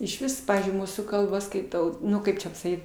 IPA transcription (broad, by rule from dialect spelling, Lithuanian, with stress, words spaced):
ɪʃʲˈʋʲɪs ˈpɑːʋʲiːzʲd͡ʒʲʊɪ ˈmuːsuː kɐlˠˈbɐ skɐɪˈtɐʊ ˈnʊ kɐɪp t͡ʃʲɛ pɐsɐˈkʲiːt